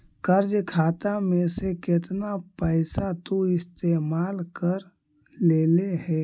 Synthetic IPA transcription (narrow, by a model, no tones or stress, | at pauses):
kəɾd͡ʒkʰaːt̪amẽsekɪt̪napɛɪsat̪oɪst̪eːmaːlkəɾ | leːleɦɛː